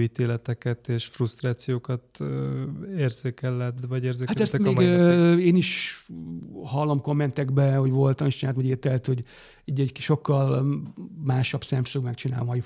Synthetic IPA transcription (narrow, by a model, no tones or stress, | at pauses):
it̪eːlɛt̪ɛkɛt̪eːʃfrust̪raːt̪sijoːkɒt̪ | eːrzeːkɛlːɛd̪vɒɟeːrzeːkhaɛst̪ɛmeːmɡeːniʃ | hɒlːo̞mko̞mːɛnt̪ɛɡbɛho̞ɟʋo̞lt̪ɒmiʃt͡ʃinat̪mɛɟeːt̪ɛlt̪hoɟ | iːɟɛɟʃo̞kːɒl | maːʃɒbsɛmsøɡmɛkt͡ʃinaːlɒj